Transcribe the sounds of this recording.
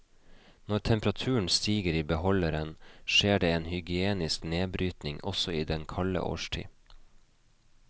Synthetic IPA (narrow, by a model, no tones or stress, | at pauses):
nɔɾtʰɛmpɾɑt̪ʰʉːɳ̩st̪iːɡəɾiːbəhɔləɾənʃeːɖeːeːnhʏɡɪeːnɪskneːbɾyːt̪nɪŋɔsɔiːd̪ɛŋkʰɑlə̰ʔo̰ːʃʈʰḭː